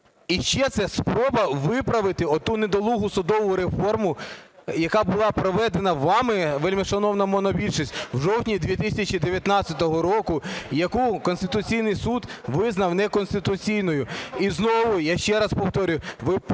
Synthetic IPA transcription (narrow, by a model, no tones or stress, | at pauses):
iʃt͡ʃɛt̪sɛspɾɔbɐʋɪpɾɐʋɪt̪ɪɔt̪uned̪ɔlˠuɦʊsʊd̪ɔʋʊɾe̞fɔrmʊ | jɐkɑbʊlˠɑpɾɔʋɛd̪enɐʋɑmɪʋelʲmiʃɐnɔwnɐmɔnɔbʲilʲʃɔsʲtʲwʒɔwtʲnʲid̪ʲʋʲit̪ɪsʲɐt͡ʃid̪eʋʲjɐt̪nɑt͡sʲɐt̪ɔɦɔɾɔkʊjɐkukɔnst̪ɪt̪ʊt͡sʲijnɪjsud̪ʋɪznɐwnɛkɔnst̪ɪt̪ʊt͡sʲijnɔjʊiznɔʋʊjaʃt͡ʃɛɾɐspɔwt̪ɔɾʲʊʋɪ